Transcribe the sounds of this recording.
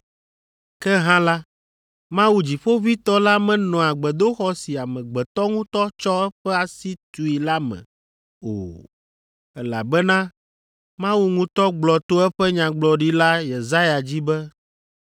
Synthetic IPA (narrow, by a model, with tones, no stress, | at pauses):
kɛ˦ɦã˦la˦ | mã˦wu˨d͡ʑi˨ɸo˦vi˦t̪ɔ˦la˦mɛ̃˨nɔ̃˨a˨ɡ͡bɛ˨d̪o˦xɔ˦si˨a˨mɛ̃˨ɡ͡bɛ˨t̪ɔ˦ŋũ˦t̪ɔ˦t͡ʃɔ˦ɛ˦ɸɛ˦a˨si˦t̪u˨i˨la˦mɛ̰̃˨ | o̰˨ | ɛ˦la̰˨bɛ˦nã˦ | mã˦wu˦ŋũ˦t̪ɔ˦ɡ͡blɔ˨t̪o˦ɛ˦ɸɛ˦ɲã˨ɡ͡blɔ˨ɖi˦la˦jɛ˨za˦ja˨d͡ʑi˦bɛ˦